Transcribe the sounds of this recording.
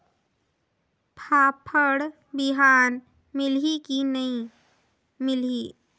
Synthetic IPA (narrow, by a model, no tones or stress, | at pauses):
pʰaːpʰəɽ | bɪɦaːn | mɪlɦikinɐĩ | mɪliː